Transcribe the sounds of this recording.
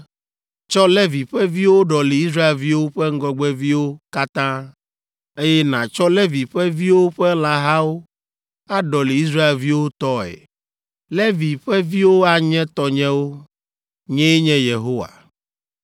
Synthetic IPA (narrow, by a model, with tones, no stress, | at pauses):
t͡ʃɔ˦lɛ˦vi˨ɸɛ˦vi˦wo˦ɖɔ˨le˨i˦sɾa˦e˨lvi˦wo˦ɸɛ˦ŋ̩˦ɡɔ˦ɡ͡bɛ˦vi˦wo˦ka˦t̪ã˦ | e˦jɛ˦nã˨t͡ʃɔ˦lɛ˦vi˨ɸɛ˦vi˦wo˦ɸɛ˦la˨ɦa˦wo˦ | a˦ɖɔ˨le˨i˦s̬ɾa˦e˨lvi˦wo˦t̪ɔ˦ɛ̰˨ | lɛ˦vi˨ɸɛ˦vi˦wo˦a˦ɲɛ̃˦t̪ɔ˦ɲɛ̃˦wo˦ | ɲɛ̃˦ɛ˦ɲɛ̃˦je˨ɦo˦wa̰˨